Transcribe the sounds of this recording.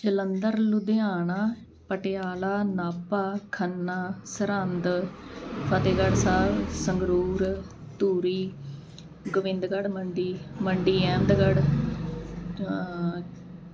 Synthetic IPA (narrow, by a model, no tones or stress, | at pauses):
d͡ʒələnd̪əɾlʊd̪ejaːɳaː | pəʈɪjaːlaːnaːpaːkʰənːaːsəɾənd̪ | pʰət̪eːɡəɽsaːbsəŋɡɾuːɾ | t̪uːɾiː | ɡʊʋɪ̃nd̪ɡəɽməɳɖiːməɳɖiːɛ̃ːnd̪ɡəɽ